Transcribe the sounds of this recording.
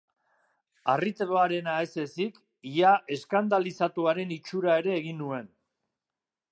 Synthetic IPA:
arit̪eɾoaɾe̞naese̞sik | iaʔe̞skand̪alisat̪uaɾe̞nit͡ʃuɾae̞ɾe̞ːɣinːue̞n

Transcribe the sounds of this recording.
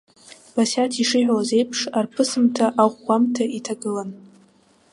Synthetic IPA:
b̥asʲatʰiʂɨħʷᶣawaze̞jpʰʂarpʰɨsɨmtʰaʔaʁʷɡʷamtʰaitʰaɡɨlan

